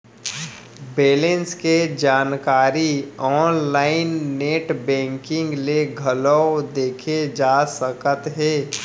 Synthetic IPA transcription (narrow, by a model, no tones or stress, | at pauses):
beːlẽnsked͡ʒaːnkaːɾiɔːnlaːɪnːeːʈbɛ̃ːŋkɪ̃ŋɡleɡʱələd̪eːkʰed͡ʒaːsəkət̪ɦeː